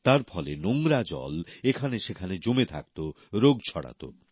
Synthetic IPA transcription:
t̪aɾfʰɔlenoŋɾad͡ʑɔ̰lekʰaneʃekʰaned͡ʑomet̪ʰa̰k̚t̪o | ɾoɡt͡ɕʰɔɽa̰t̪o̰

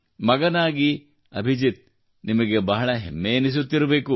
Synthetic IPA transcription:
mɐɡɐnaːɡi | ɐbʱid͡ʒit̪̚ | nimɐɡe̞bɐɦɐɭɐɦḛmːeːnis̬ut̪ːiɾɐbe̞ːku

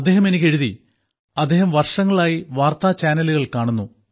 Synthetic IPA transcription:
ɐd̪ːe̞ːɦɐme̞nikʲːe̞ɻuði | ɐd̪ːe̞ːɦɐmʋɐrʂɐŋːɐɭaːjiʋaːrt̪aːt͡ɕaːnɐluɣɐɭkaːɳunːu

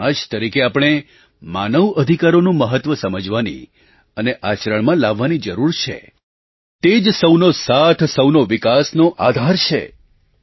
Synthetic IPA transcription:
aʃt̪əɾikeapɽ̃e | manəʋəd̪ʱikaɾonũməɦət̪ʋəsəməd͡ʒʋanḭ | əneʔat͡ʃɾəɳmãlaʋːanid͡ʒəɾuɾt͡ʃʰḛ | t̪ed͡ʒsəwnosat̪ʰsəwnoʋikasnoʔad̪ʱaɾt͡ʃʰḛ

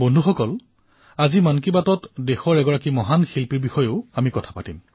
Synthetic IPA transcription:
bondʱuxɔkɔl | azimankibatɔtdexɔɹɛɡɔɹakimɔɦanxilpiɹbixɔjoʊamikɔtʰḁpatim

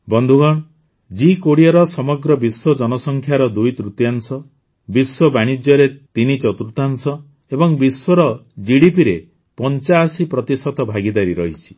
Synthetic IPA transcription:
bɔnd̪ʱuɡɔɽ̃ | d͡ʒikoɽiɔɾɔsɔmɔɡɾɔbiswɔd͡ʒɔnɔsɔŋkʰjaɾɔd̪ujt̪ɾut̪jansɔ | biswɔbaɽ̃id͡ʒjɔɾet̪init͡ʃɔt̪ɾut̪ansɔ | ebɔŋbiswɔɾɔd͡ʒiɽipiɾe | pɔnt͡ʃaːsipɾɔt̪isɔt̪ɔbʱaɡid̪aɾiɾɔɦit͡ʃʰi̥

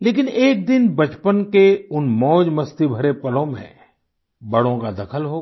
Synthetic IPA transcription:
leːk̬ɪneːk̚d̪ɪnbɐt͡ʃpənkeʊnmɔːd͡ʒmɐst̪ibʱɐɾepɐlõmḛ̃ | bɐɽõkad̪ɐkʰəlɦoː

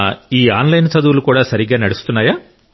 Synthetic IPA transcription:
iːaːnlɐjnt͡ʃɐd̪uʋulukuːɽaːsɐɾiɡaːnɐɽust̪unːaːjaː

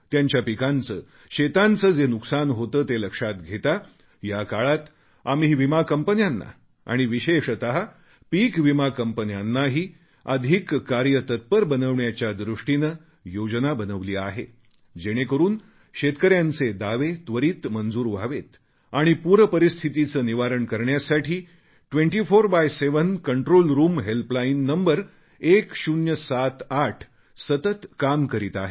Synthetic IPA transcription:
t̪jaɲt͡ɕjapikant͡səː | ɕet̪ant͡səːd͡zenuksanɦot̪əːt̪eləkʂat̪ɡʱet̪a | jakaɭat̪ | amiʋimakəmpənjanːa̰ | a̰ɽ̃iʋiɕeʂət̪əɦa | piːkʋimakəmpənjanːaɦiː | əd̪ʱikːaɾjət̪ət̪̚pəɾbənəʋɳjat͡ɕjad̪ɾuʂʈinə | jod͡ʑnabənəʋliːaɦḛ | d͡ʑeɽ̃ekəɾuːn | ɕet̪kəɾjant͡sed̪aʋet̪ʋəɾiːt̪mənd͡zuːɾʋʱaʋet̪ | aɽ̃ipuɾpəɾist̪ʰit̪it͡səːniʋaɾəɳkəɾɳjasaʈʰiː | ʈʋẽɳʈifoɾbajseʋənkəɳʈɾolɾuːmɦelplainːəmbəɾ | ekɕunjəsat̪aʈʰ | sət̪ət̪kamkəɾiːt̪aɦe

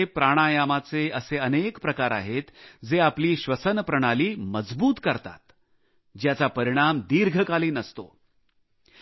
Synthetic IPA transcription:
epɾaɽ̃ajamat͡seəseənekpɾəkaɾa̰ɦet̪d͡zeapliːɕʋəsənpɾəɽ̃aliːməd͡zbuːt̪kəɾt̪a̰t̪ | d͡ʑjat͡sapəɾiɽ̃amd̪iɾɡʱəkaliːnəst̪o̰

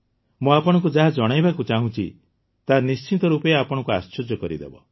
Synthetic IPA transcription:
mũapɔɽ̃ɔ̃ŋk̬ud͡ʒaɦad͡ʒɔɽ̃ajbakut͡ʃaɦũt͡ʃʰḭ | t̪anist͡ʃʰit̪ɔɾupɔeapɔɽ̃ɔ̃ŋkua̰sʃɔd͡ʒɔkɔɾḭd̪ḛbɔ̰

